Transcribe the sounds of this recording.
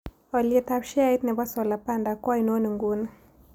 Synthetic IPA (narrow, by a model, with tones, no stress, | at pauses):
ɔ˨lɪe˨t̪a˦pʃa˦i˦t̪nɛ˨ba˦sɔ˨la˨pa˦nda˨kwa˦i˨no˦nu˨ŋɡu˦n